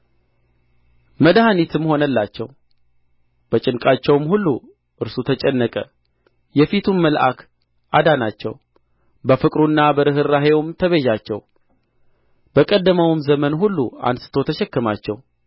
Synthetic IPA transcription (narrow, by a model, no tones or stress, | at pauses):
məd̪hanit̪ʰɨmho̞nəlːat͡ʃːɛ̰w | b̥ət͡ʃʼɪnkʼat͡ʃːɛwmhulːu | ʔɨɾsut̪ʰət͡ʃʼɛnːəkʼə | jɛfit̪ʰunməlʔa̰k | ʔad̪anat͡ʃːɛ̰w | bəfɨkʼɾunːabəɾɨɦɨɾːaɦewmt̪ʰəβeʒat͡ʃːɛw | b̥əkʼəd̪ːəməwɨmzəmənɦulːua̰nsɨ̥t̪ʰo̞t̪ʰəʃɛkːɨmat͡ʃːɛw